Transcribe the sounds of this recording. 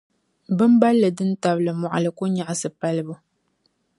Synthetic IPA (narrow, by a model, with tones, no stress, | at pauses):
bɨ˦m̩˦ba˦lːɨ˨dɨ˦n̩˦ta˨blɨ˨mɔ˨ʔa̰˨lɨ˨ko˦ɲa˨ʔsɨ˨pa˦lbu˦